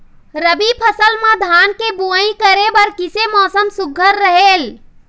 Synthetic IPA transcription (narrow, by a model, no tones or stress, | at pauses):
ɾəbipʰəsəlmãd̪ʱankebuəĩkəɾebəɾkisemɔːsəmsuɡʱəɾːəɦel